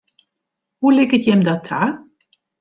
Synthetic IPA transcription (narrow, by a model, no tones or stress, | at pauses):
hulɪkətjɛmdɔtʰaː